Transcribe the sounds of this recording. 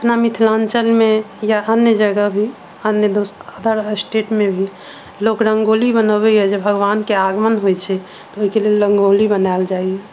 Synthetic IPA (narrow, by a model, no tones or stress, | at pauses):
əpnamit̪ʰlant͡ʃəlmejaʔənjəd͡ʒəɡəbʱi | ənjəd̪osəd̪ʱəɾsʈeʈmebʱi | lokɾəŋɡolibənəbɛjɛd͡ʒebʱəɡʋankeaɡmənɦojt͡ʃʰɛ | t̪ɔoɦikelelɾəŋɡolibənaɪld͡ʒaiɛ